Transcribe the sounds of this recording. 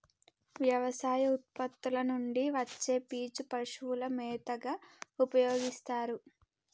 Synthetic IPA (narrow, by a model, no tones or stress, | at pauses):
ʋjɐʋɐsaːjɐut̪̚pɐt̪ːulɐnuɳɖiʋɐt͡ʃːeːpiːt͡ʃupɐʂuulɐmɛːt̪ɐɡaupɐjoːɡist̪aːɾu